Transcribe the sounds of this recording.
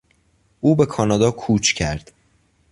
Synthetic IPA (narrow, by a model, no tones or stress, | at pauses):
ʔuːbe̞kʰɒːnɒːd̪ɒːkʰuːt͡ʃʰcʰæɾd̪̥